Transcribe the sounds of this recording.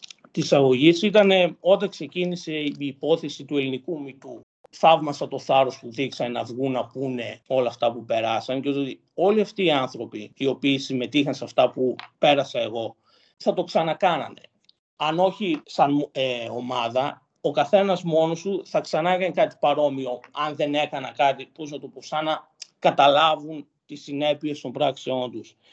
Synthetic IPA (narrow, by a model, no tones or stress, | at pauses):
t̪isɐɣo̞ʝisit̪ɐne̞o̞t̪ɐkse̞cinise̞iːpo̞θe̞sit̪ue̞linikumit̪u | θɐvmɐsɐt̪o̞θɐɾo̞spuðiksɐnnɐvɣunːɐpune̞o̞lɐːft̪ɐpupe̞ɾɐsɐncet̪ot̪i | o̞liɐft̪iːɐnθɾo̞piːo̞piːsime̞t̪ixɐnseɐft̪ɐpupe̞ɾɐsɐe̞ɣo̞ | θɐt̪o̞ksɐnɐkɐnɐ̰ne̞̰ | ɐno̞çisɐneo̞mɐðɐ | okɐθe̞nɐzmo̞nost̪uθɐksɐnɐkɐnkɐt̪i̥pɐɾo̞mio̞ɐnðe̞ne̞kɐnɐkɐt̪ipo̞znɐt̪o̞po̞sɐnɐ | kɐt̪ɐlɐvun | t̪isine̞pie̞st̪o̞mbɾɐksio̞nt̪us